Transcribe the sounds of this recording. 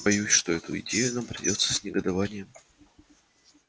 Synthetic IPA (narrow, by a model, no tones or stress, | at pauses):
bɐjusʲʂt̪o̞ɛt̪ʊ̰ɪ̰dʲejʊnampɾʲɪ̰dʲo̞t̪sə̥sʲnʲɪɡəd̪ɐvanʲɪjəm